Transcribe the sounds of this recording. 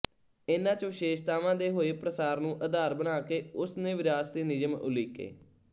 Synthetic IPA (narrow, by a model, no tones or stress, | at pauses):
ɪnãːt͡ʃʋɪʃeːʃt̪aːʋãːd̪eːɦoːeːpɾəsaːɾnũːʔəd̪aːɾbənaːkeːʊsnẽːʋɪɾaːst̪eːnɪd͡ʒəmʊ̰liːkḛː